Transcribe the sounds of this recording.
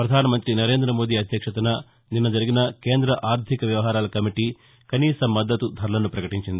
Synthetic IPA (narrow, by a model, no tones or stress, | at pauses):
pɾɐd̪ʱaːnɐmɐnt̪ɾinɐɾe̞ːnd̪ɾɐmoːd̪iːɐd̪ʱjɐkʂɐt̪ɐnɐ | ninːɐd͡ʒɐɾiɡinɐke̞ːnd̪ɾɐʔaːɾt̪ʰikɐʋjɐʋɐɦaːɾaːlɐkɐmiʈi | kɐniːsɐmːɐd̪ːɐt̪ud̪ʱɐɾɐlɐnːupɾɐkɐʈiɲt͡ʃind̪i